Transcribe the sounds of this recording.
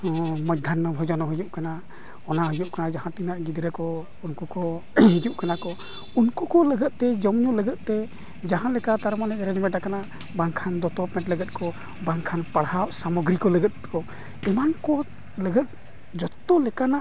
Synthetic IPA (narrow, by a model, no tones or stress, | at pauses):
məd̪ʱanːɔbʱɔd͡ʒɔnɔɦid͡ʒuʔkana | ɔnaɦɔjuʔkanad͡ʒaɦãt̪inaʔɡid̪ɾɛkɔ | unkukɔ | ɦid͡ʒuʔkanakɔ | unkukɔləɡət̪̚t̪ɛd͡ʒɔmɲuʔləɡət̪̚t̪ɛ | d͡ʒaɦãlɛkat̪aɾmanɛʔɾɛd͡ʒmɛ̃ʈakana | baŋkʰand̪ɔp̪ɔpmɛ̃ɳʈləɡət̪̚kɔ | baŋkʰanpaɽhaʔsamɔɡɾikɔləɡət̪̚kɔ | ɛmankɔ | ləɡət̪̚ | d͡ʒɔt̪ːɔlɛkanaʔ